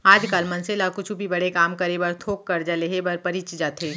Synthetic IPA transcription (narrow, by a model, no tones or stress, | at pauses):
aːd͡ʒkaːlmɐnselakʊt͡ʃʰubʱibɐɽekaːmkɐɾebəɾt̪ʰoːkːɐɾd͡ʒaleɦebɐɾpɐɾit͡ʃd͡ʒaːt̪eː